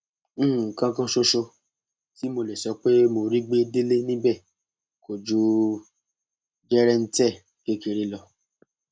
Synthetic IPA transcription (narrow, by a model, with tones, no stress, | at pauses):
kã˧kã˦ʃo˧ʃo˧ | ti˦mo˧lɛ˨sɔ˧˦k͡pe˦mo˧ɾi˦ɡ͡be˦de˦le˦nĩ˦bɛ˦˨ | ko˨d͡ʒu˧ | d͡ʒɛ˦ɾɛ˦n̩˦tɛ˦˨ | ke˦ke˧ɾe˧lɔ˧